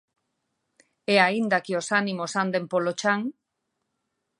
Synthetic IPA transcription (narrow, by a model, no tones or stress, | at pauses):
eaind̪akiosanimosand̪empolot͡ʃaŋ